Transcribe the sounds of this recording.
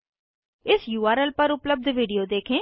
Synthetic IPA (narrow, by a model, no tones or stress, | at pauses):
ɪsjuːaːɾɛlpəɾʊpləb̚d̪ʱʋiːɖijoːd̪eːkʰẽː